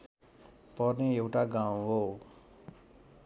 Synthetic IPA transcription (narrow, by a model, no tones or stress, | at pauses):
pʌrneewʈaɡãwũɦo